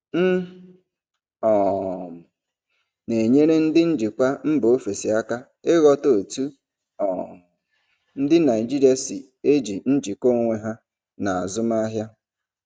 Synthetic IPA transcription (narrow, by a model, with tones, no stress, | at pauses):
n̩˦ | ɔ˨m̩˨ | ne˨ɲe˦ɾe˦n̩˦dɪ˦n̩˦d͡ʒi˨kʷa˦m̩˦bo˨o˦fe˨si˨a˦ka˦ | ɪ˦ɣɔ˦to˨tu˦ | ɔ˨ | n̩˦dɪ˦na˨ɪ˨d͡ʒi˦ɾi˦a˦si˨ | e˦d͡ʒi˨n̩˦d͡ʒi˨ko˦ŋʷe˦ɦa˦ | na˨a˨zʊ˦m˦a˦ɦja˦